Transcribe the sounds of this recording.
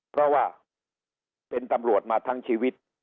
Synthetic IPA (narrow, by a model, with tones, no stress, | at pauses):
pʰɾɔ˦˥waː˥˩ | pe˧nt̪a˧mɾu˨˩ət̪̚maː˧t̪ʰa˦˥ŋt͡ɕʰiː˧wi˦˥t̪̚